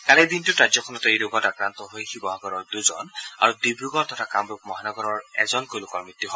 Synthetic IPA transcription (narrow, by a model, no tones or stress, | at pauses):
kalɛd̪intʊɹazjɔkʰɔnɔtɔejloɡɔtakɹant̪ɔɦojkʰibɔɦaɡɔɹɔɹduzɔ̰na̰ɹudibɹuɡɔɹt̪ʰɔtʰakamɹuk̚mɔɦanɔɡɔɹɔɹɛ̰zɔnkojlʊkɔɹmit̪ːuɦɔ